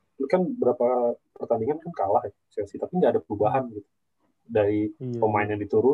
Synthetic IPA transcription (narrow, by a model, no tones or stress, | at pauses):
lukanbəɾapapərt̪andiŋankankalaha | sɛsit̪apindaːdapəɾubaɦanɡit̪u̥ | daɾiomaɪnjadit̪uɾʊ